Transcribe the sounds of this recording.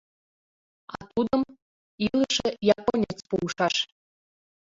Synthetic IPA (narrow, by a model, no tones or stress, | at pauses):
ɑt̪ud̪ɤ̆m | ilˠəʃĕjɑponʲet͡spuuʃɑʃ